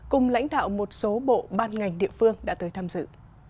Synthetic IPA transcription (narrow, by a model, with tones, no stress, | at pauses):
kʊ˨˩ŋ͡mla̰˧˥jŋ̟ɗa̰ː˧˨wmo˨˩t̚so˨˦ɓo̰˧˨ɓaː˧nŋa˨˩jŋ̟ɗḭ˧˨əfɨ˧əŋɗa̰ː˧˥t̪əː˨˦jt̪ʰaː˧mzɨ̰˧˨